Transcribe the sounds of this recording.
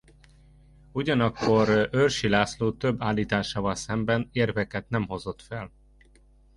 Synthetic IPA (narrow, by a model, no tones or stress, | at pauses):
uɟɒnɒkːo̞ɾørʃilaːsloːt̪øbːaːlːiːt̪aːʃaːvɒlsɛmbɛneːrvɛkɛt̪nɛmɦo̞zo̞t̪fɛl